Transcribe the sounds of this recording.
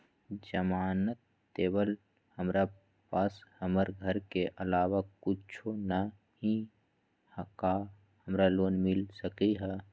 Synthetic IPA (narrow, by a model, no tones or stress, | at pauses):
d͡ʒəmaːnət̪ː | eːbəl | həmɾa | pashəməɾɡʱəɾkeʔəlaːwakʊt͡ʃʰona | hi | hka | həmɾaloːnmɪlsəkiɦɛ